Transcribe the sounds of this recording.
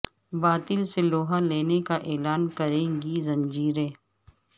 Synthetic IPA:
baːt̪ɪlseloːɦaleːnekaʔeːlaːnkɐɾẽːŋɡizɐ̃ɲd͡ʒiːɾẽː

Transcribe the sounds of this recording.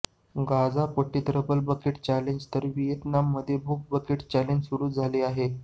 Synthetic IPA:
ɡad͡zapəʈːit̪ɾəbəlbəkeʈt͡ɕæleɲd͡ʑt̪əɾʋijet̪namːəd̪ʱːjebʱuk̚bəkeʈt͡ɕæleɲd͡ʑsuɽuːd͡zʱaliːaɦe

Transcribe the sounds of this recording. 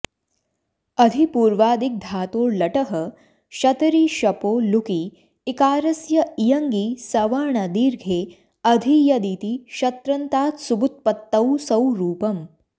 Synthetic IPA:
ɐd̪ʱipuːɾʋaːd̪ik̚d̪ʱaːt̪oːɾlɐʈɐɦɐ | ʃɐt̪ɾiʃɐpoːluki | ikaːɾɐsjɐijɐŋɡiːsɐʋaɾɳad̪iːɾɡʱeː | ɐd̪ʱijɐd̪iːt̪iʃɐt̪ɾɐnt̪aːt̪subut̪̚pɐt̪ːɐwsɐwɾuːpɐm

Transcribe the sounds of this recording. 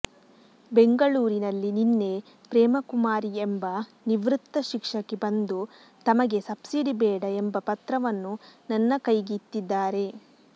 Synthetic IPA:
be̞ŋɡɐɭuːɾinɐlːininːe̞ | pɾɛːmɐkumaːɾiembɐ | niʋɾut̪ːɐʃikʂɐkːebɐnd̪u | t̪ɐmɐɡe̞sɐbsiɖibɛːɽɐembɐpɐt̪ɾɐʋɐnːunɐnːɐkɐjɡit̪ːid̪ːaːɾe̞

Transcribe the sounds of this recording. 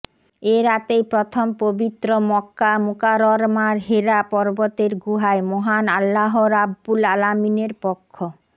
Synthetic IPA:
eɾat̪ejpɾɔt̪ʰompobit̪ːɾomɔkːamukaɾɔɾmaɾɦeɾapɔɾbot̪eɾɡuɦaemɔɦanalːaɦoɾabːulalamineɾpɔkʰːo

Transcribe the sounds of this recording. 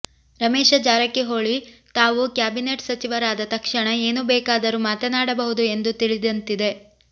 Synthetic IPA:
ɾɐmeːʂɐd͡ʒaːɾɐkːiɦo̞ːɭit̪aːʋukjaːbineːʈsɐt͡ʃiʋɐɾaːd̪ɐt̪ɐkʂɐɳɐe̞ːnubɛːkaːd̪ɐɾumaːt̪ɐnaːɽɐbɐɦud̪ue̞nd̪ut̪iɭid̪ɐnt̪id̪e̞

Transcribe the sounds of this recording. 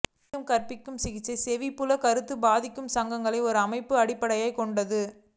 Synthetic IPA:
ɯmkɐrpɪkːɯmsɪɣɪt͡ʃːɐɪsɛʋipːʊlɐkɐɾɯt̪ːɯbaːðɪkːɯmsɐŋɡɐŋɡɐɭɐɪɔɾɯɐmɐɪpːɯɐɽɪpːɐɽɐjaːɪkɔɳɖɐðɯ

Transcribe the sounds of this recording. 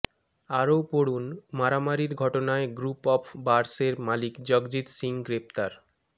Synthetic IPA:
aɾowpoɽunmaɾamaɾiɾɡʱɔʈonaeɡɾupɔfʰbaɾseɾmalikd͡ʑɔɡd͡ʑit̪siŋɡɾep̚t̪aɾ

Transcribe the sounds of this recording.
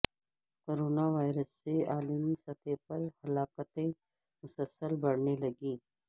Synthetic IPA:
koɾoːnaʋaːjɾəsːeaːlimisɐt̪ʰepɐɾhɐlaːkət̪ẽ | mʊsəlsəlbɐɽnelɐɡiː

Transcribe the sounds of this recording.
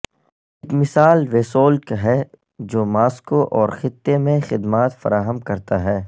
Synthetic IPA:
ɪkmɪsaːlʋeːsoːlkɦɛ | d͡ʒoːmaːskoʔɔːɾxɪt̪ːemẽxɪd̪maːt̪fɐɾaːɦəmkɐɾt̪aɦɛː

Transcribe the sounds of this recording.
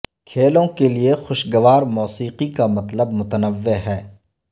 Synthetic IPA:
kʰeːlõkeliexʊʃɡɐʋaːɾmɔːsiːqikamɐt̪ləbmʊt̪ənəʋːeɦɛː

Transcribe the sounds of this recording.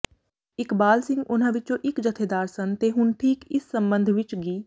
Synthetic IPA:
ɪkbaːlsɪ̃ŋɡʊnãʋɪt͡ʃõːʔɪkd͡ʒət̪ʰeːd̪aːɾsənt̪eɦʊnʈʰiːkɪsːə̃mbə̃nd̪ʱʋɪt͡ʃɡiː

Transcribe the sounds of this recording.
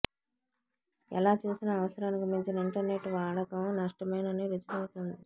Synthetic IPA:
ɛ̰laːt͡ʃuːsinɐːʋɐsɐɾaːnikimiɲt͡ʃinɐiɳʈɐɾne̞ʈːʋaːɽɐkɐmnɐʂʈɐmɐjnɐneːɾit͡ʃupɐwut̪und̪i

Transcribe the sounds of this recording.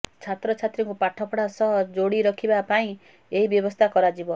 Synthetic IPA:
t͡ʃʰat̪ɾɔt͡ʃʰat̪ɾiŋkupaʈʰɔpʰɔɽasɔɦd͡ʒoɽiɾɔkʰibapaĩ | eɦibjɔbɔst̪ʰakɔɾad͡ʒibɔ

